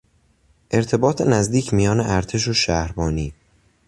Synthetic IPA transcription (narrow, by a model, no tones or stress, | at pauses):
ʔe̞ɾt̪ʰe̞bɒːt̪ʰenæzd̪iːcʰmijɒːneʔæɾt̪ʰe̞ʃ̬oʃæhɾbɒːniː